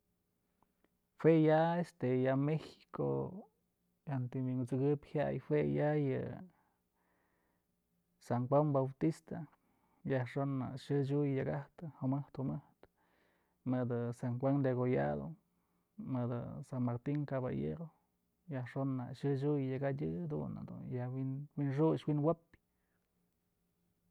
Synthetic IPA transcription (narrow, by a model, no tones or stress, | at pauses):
hwejaest̪ejamexi̥ko̰ | ant̪iwiŋɡɨt͡sɨɡɨphja̰ʔjhwejajɨ̰ | saŋkwaŋbawt̪ist̪a | jaʂonːa̰ʃɨt͡ʃujjaɡaht̪ɨhomɨht̪homɨht̪ | mɨd̪ɨsaŋxwaŋd̪eɣoja̰d̪o̰ | mɨd̪ɨ̰sanmaɾt̪iŋkaβa̰jḛɾo | jahʂonːa̰ʃɨt͡ʃujjaɡadʲɨd̪ṵna̰d̪ṵnjahwinwinʂ̬ut͡ʃwinwap